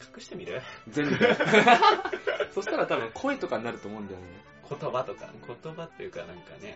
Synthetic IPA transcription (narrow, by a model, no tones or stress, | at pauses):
kʰḁkɯ̟̥ɕi̥t̪e̞mʲiɾɯd͡zẽ̞mb | so̞ɕi̥t̪aɾat̪abɯ̟̃ŋkʰo̞et̪o̞kaɲinaɾɯ̟t̪o̞ːmo̞ɯ̃nd̪ajone | kʰo̞t̪o̞bat̪o̞ka̰kʰo̞t̪o̞bat̪ːejɯ̟kanãŋkanḛ